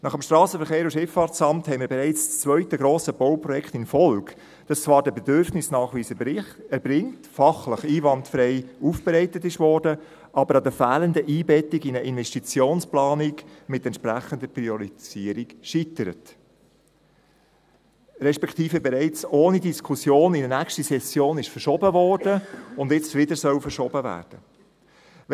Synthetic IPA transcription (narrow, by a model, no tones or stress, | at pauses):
nɑχəmʃtɾɑːsəfəɾχeːɾuʃɪfːɑɾt͡sɑmthɛɪmɪːɾbɛɾɛɪt͡sst͡sʋœʏtəɡɾoːsəb̥oʊprɔjɛkχtɪnfɔlɡ | d̥ɑst͡svɑːɾdəbɛdʏɾfnɪsnɑːχʋiːsə | ɛbɾɪŋtfɑχləχiːvɑntfɾɛɪuːfb̥ɛɾɛɪtətɪʃvɔːɾdə | ʔɑbəɾɑdəfæːləndəʔiːbɛtiɡinəʔɪnvɛʃtit͡sjoːnsplɑːnikmɪtɛntʃpɾæχənd̪əpɾiɔɾisiːəɾikʃitəɾə̰t | ɾɛʃpɛkt̪iːfəbɛɾɛɪt͡soːnidiskʰusjoːnidənækʃtisɛsjoːnɪʃfəɾʃɔbəvɔːrd̥əʊndɪt͡sʋɪdəɾsœwfəɾʃɔb̥əvæ̰ːɾd̥ə